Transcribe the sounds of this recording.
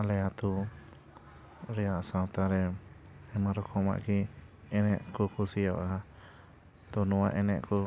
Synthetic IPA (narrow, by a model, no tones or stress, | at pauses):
alɛat̪u | ɾɛaʔsawt̪aɾɛ | ɛmaɾɔkʰɔma̰ʔki | ɛnɛʔkukusiaa | t̪ɔnuaʔɛnɛʔku